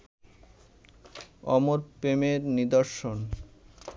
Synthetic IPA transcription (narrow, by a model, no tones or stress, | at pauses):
ɔ̰moɾpemeɾnid̪oɾʃon